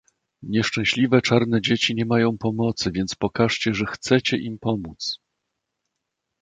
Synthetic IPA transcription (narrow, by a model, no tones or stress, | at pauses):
ɲɛʂt͡ʂɛ̃w̃ɕlʲivɛt͡ʂaɾnɛd͡ʑet͡ɕiɲɛmajɔ̃w̃pɔmɔt̪sɘvʲjɛnt̪spɔkaʂt͡ɕɛʐɛxt̪sɛt͡ɕɛʔimpɔmut̪s